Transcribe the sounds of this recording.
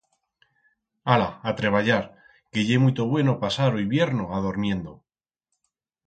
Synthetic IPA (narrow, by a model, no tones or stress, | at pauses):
alaat̪ɾe̞β̞aʎaɾ | ke̞ʝe̞mut̪o̞βwe̞no̞pasaɾojβje̞ɾno̞að̞oɾmjẽ̞nd̪o̞